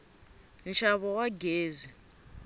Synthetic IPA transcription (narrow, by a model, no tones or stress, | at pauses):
n̩ʃaβɔwaɡeːzi